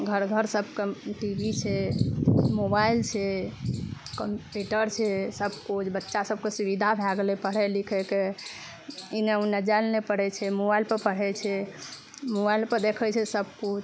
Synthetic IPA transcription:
ɡʱəɾɡʱəɾsəbʱkeʈibʱit͡ʃʰɛ | mobailt͡ʃʰɛ | kəmpuʈəɾt͡ʃʰɛsəb̚ʱkut͡ʃʰbətːʃasəb̚kesubid̪ʱabʱɛɡlɛpəɽ̤ɛlikʰɛke | ineunəd͡ʒalnepəɽɛt͡ʃʰɛmobailpəɾpəɽ̤ɛt͡ʃʰɛ | mobailpəɾd̪ekʰɛt͡ʃʰɛsəb̚ʱkut͡ʃʰ

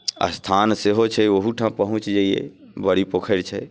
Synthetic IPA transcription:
a̰st̪ʰanseɦot͡ʃʰɛoɦuʈʰãpəɦũt͡ʃd͡ʒaiḛbəɽipokʰəɪlt͡ʃʰɛ

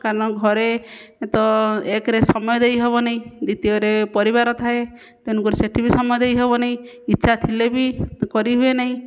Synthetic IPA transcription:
kaɾɔɽ̃ɔɡʱɔɾet̪ɔekɾesɔmɔjɔd̪ejɦeβɔnaɦĩd̪it̪iɔɾepɔɾiβaɾɔt̪ʰae | t̪enuŋkuɾeseʈʰibisɔmɔjɔd̪ejɦebɔnaɦĩː | tːʃʰat̪ʰilebikɔɾiɦuenaɦĩ

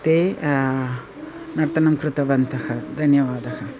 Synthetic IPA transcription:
t̪eː | nɐɾt̪ɐnɐmkɾut̪ɐʋɐnt̪ɐhɐd̪ʱɐnjɐʋaːd̪ɐɦɐ

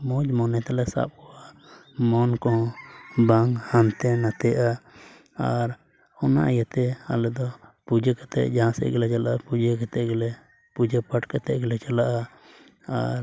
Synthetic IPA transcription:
mɔd͡ʒmɔnɛt̪ɛlɛsa̰p̚kɔwa | mɔnkɔ̃baŋhant̪ɛnat̪ɛʔa | aɾ | ɔna̰ʔajat̪ɛa̰lɛd̪ɔpud͡ʒəkɛt̪ɛ̰ʔd͡ʒaɦãsɛ̰ʔɡɛlɛt͡ʃalaʔapud͡ʒəkɛt̪ɛʔɡɛlɛ | pud͡ʒəpəʈkɛt̪ɛʔɡɛlɛt͡ʃalaʔa | aɾ

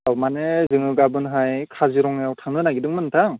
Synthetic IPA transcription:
awmanezɯŋɯɡabɯnɦajkʰaziɾɔŋjawtʰaŋnɯnaɡidɯŋmɯntʰaŋ

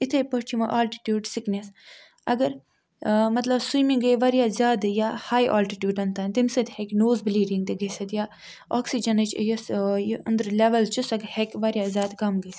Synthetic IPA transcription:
it̪ʰejpət͡ʃʰimɐʔaːlʈi̥ʈʲjuːɖsiknʲes | ɐɡɐɾ | mɐt̪lɐbsujmiŋɡəjʋɐɾijaːzʲaːd̪jahaːjʔa̰ːlʈiʈʲjuːɖɐnt̪aːnt̪imsɨt̪hekʲnoːzbliːɖiŋɡt̪iɡɐsɐd̪jaː | ɔːksid͡ʒɐnɐt͡ʃʰjɐsjɐnd̪ɾlʲeʋɐlt͡ʃʰusɐɡhekʲʋɐɾʲjaːzʲaːd̪kɐmɡɐs

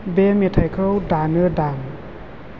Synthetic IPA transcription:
bemit̪ʰajkʰəwdanɯdam

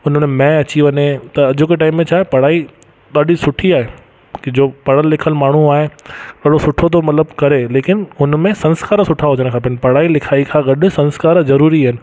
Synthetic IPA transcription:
ʊn̤mẽmɛ̃ːɐt͡ɕiʋɐɲet̪ɐɐd͡ʑʊkeʈaːɪmːẽt͡ɕʰaːɦepɐɽ̤aːi | ɗaːɗisʊʈʰiaːɦe | kd͡ʑoːpɐɽəlːɪkʰəlmaːɳ̤ũaːɦeɠɐɗosʊʈʰot̪ʰomɐt̪ləbkɐɾeleːkɪnʊnmẽsɐ̃nskaːɾsʊʈʰaɦʊd͡ʑəɽ̃kʰaːp̬ɪnpɐɽ̤aːilɪkʰaːikʰãɡɐɗʊ̆sɐ̃nskaːɾzɐɾuːɾiaːɦɪnɪ̆

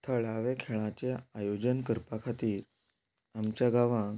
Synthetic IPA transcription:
t̪ʰəɭaʋekʰeɭãt͡ɕeajod͡ʑənkəɾpakʰat̪iːɾ | amt͡ɕjaɡaʋãɡ

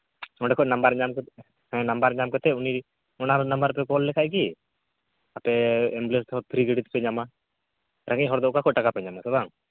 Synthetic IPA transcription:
ɔ̃ɖɛkʰɔnambaɾɲamk̪ | hɛ̃nambaɾɲamkɔt̪ɛuni | ɔnaɾnɐmbəɾpɛkɔlːɛkʰajk̬i | apɛɛmblest̪ɦɔɾp̪ʰɾiɡəɽit̪pɛɲama | ɾaŋɡɛʔɦɔɾd̪ɔkakʰɔʔʈakapɛɲamasɔbaŋ

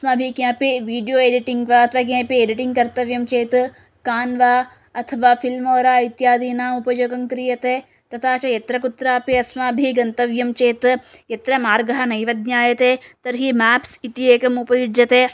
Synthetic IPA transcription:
ɐsmaːbʱikjãːpiʋiːɖijoːeɖiʈiŋɡʋaɐt̪ʰɐʋaːk̬jẽːpieɖiʈiŋɡ̚kɐɾt̪ɐʋjɐmt͡ʃeːt̪ | kaːnʋaː | ɐt̪ʰɐʋaːfilmoːɾaːɐjt̪jaːd̪ʱiːnaːupɐjoːɡɐŋkɾiːjɐt̪eː | t̪ɐt̪ʰaːt͡ʃɐjɐt̪ɾɐkut̪ɾaːpiɐsmaːbʱiɡɐnt̪ɐʋjɐmt͡ʃeːt̪ | jɐt̪ɾɐmaːɾɡɐɦɐnɐjʋɐd̪̚ɲaːjɐt̪eːt̪ɐɾɦimaːpsit̪ieːkɐmupɐjud͡ʒjɐt̪eː

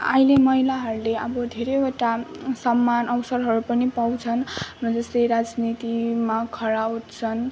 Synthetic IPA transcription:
a̰ilemʌɦilaɦʌɾuleʌbʌd̪ʱeɾʌjoʈasʌmːanʌwsʌɾɦʌɾupʌnipaw̃t͡sʰʌnrʌd͡zʌst̪ʌjɾad͡znit̪imakʰʌɾaut̪t͡sʰʌn

